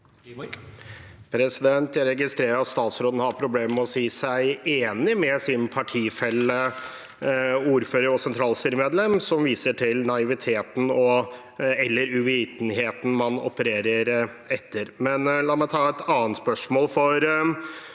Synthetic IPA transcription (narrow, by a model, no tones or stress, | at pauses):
pʰɾɛsɪd̪ɛnt̪jæɾɛɡɪst̪ɾeːɾəɾɑt̪st̪ɑːt̪sɾoːd̪ənəhɑɾpʰɾʊbleːmmɔsiːsæɪeːnɪmɛsɪnpʰɑʈʰiːfɛlːə | uːɾføːɾəɾɔsɛnt̪ʰɾɑːlst̪yːɾəmeːd̪lɛmsɔmʋiːsəʈʰɪlnɑɪʋɪt̪ʰeːt̪n̩ɔ | ɛlːəɾʉʋiːt̪n̩ɦeːt̪n̩mɑnɔ̰pəɾeːɾəɾ | ɛt̪ʰːəɾmɛnlɑːmæɪt̪ʰɑːɛt̪ʰɑːənt̪spœʂmoːlfɔɾ